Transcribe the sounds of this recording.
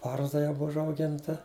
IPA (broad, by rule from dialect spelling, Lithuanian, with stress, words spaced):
ˈbɐrzdɐ jɛʊ ˈbʊw ʊʒɐʊˈɡʲɪntɐ